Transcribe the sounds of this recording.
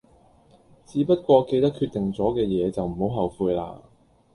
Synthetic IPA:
t͡siː˨˥pɐ˥t̚kʷɔː˧ke˧jt̪ɐ˥kʰy˧t̪ɪ˨˩ŋt͡sɔː˨˥kɛː˧jɛː˨˧t͡sɐ˨wm̩˨˩ho˨˥wɦɐ˨wfuː˧jla̰ː˧

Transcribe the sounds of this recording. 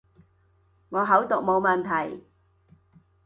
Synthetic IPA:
ŋɔː˨˧ɦɐ˨˥wt̪ʊ˨k̚mo˨˧wmɐ˨nt̪ʰɐ˨˩j

